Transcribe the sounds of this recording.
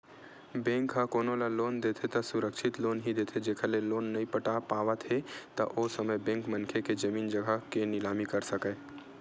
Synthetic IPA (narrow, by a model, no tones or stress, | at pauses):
bẽːŋkɦakoːnolaloːnd̪eːt̪ʰet̪ɐsʊɾəkʃʰɪt̪loːnɦid̪eːt̪ʰed͡ʒeːkʰəleloːnːɐĩpəʈapaːʋat̪ʰet̪ɐʔosəməjbẽːŋkmə̃nkʰeked͡ʒɐmiːnd͡ʒəɡʱakenɪlaːmikɐɾsəkə